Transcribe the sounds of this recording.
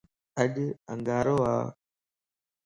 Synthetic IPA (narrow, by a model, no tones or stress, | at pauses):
əɗə̰ŋɡaːɾoːa̰ː